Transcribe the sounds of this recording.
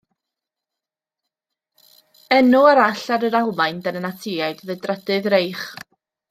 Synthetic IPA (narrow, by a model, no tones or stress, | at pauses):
ɛnuaɾaɬaɾəɾalˠmajndənənatʰɪaɨdðədrɛdɨðɾejχ